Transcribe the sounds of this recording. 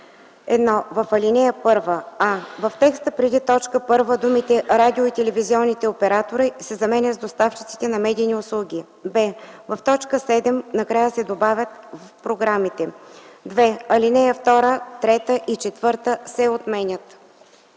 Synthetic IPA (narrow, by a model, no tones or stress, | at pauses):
ɛd̪nɔvɐfɐlʲinɛjəpɤɾvəavɐft̪ɛkst̪əpɾɛd̪it̪ɔt͡ʃkəpɤɾvəd̪umit̪ɛɾad̪ʲioit̪ɛlɛviziɔnːit̪ɛopɛɾat̪oɾisɛzɐmɛnʲət̪zd̪ost̪aft͡ʃit̪si̥t̪ɛnɐmɛd̪ʲiːniʊslˠuɡʲi | bɛvɐft̪ɔt͡ʃkəsɛd̪ɛmnɐkɾajəsɛd̪obavʲjət̪vəfpɾoɡɾamit̪ɛd̪vɛɐlinɛjəft̪ɔɾət̪ɾɛt̪əʔit͡ʃɛt̪vɤɾt̪əsɛot̪mɛnʲət̪